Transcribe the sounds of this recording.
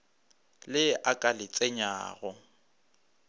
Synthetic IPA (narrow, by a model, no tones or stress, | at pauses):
lɪʔakʼalɪt͡sʼɛɲa̰ːɣɔ